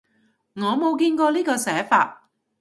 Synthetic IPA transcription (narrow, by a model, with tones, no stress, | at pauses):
ŋɔː˨˧mo˨˧wkiː˧nkɔː˧liː˥kɔː˧sɛː˨˥fa̰ː˧t̚